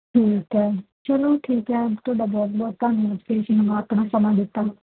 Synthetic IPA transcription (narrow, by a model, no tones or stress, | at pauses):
ʈʰiːkɛː | t͡ʃəloːʈʰiːkɛːt̪ʰʊaːɖaːbɔːt̪̚bɔːt̪t̪aːnməd͡ʒpʰeːʃənəmaːət̪ɳ̃ãːsəmãːd̪ɪt̪ːaː